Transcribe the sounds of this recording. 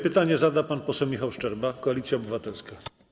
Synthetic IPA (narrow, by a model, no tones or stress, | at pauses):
pɘt̪aɲɛzad̪apanpɔsɛwmʲixawʂt͡ʂɛɾbakɔalʲit̪sʲjaɔbɘvat̪ɛlska